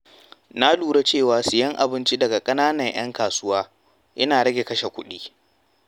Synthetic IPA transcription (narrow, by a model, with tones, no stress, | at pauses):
na˦luː˨ɽe˦t͡ʃeː˦˨waː˨sɪ˨jɐ˦ŋʔa̰˨bɪ˦nt͡ʃi˦dɐ˨ɡa˨kʼɐ˦naː˦nɐ˨ɲj̰ɐ̰˦ŋkaː˨sʊ˦waː˦ | ʔɪ˦naː˨ɽɐ˦ɡʲe˨kɐ˦ʃe˨kʷʊ̰˦ɗiː˦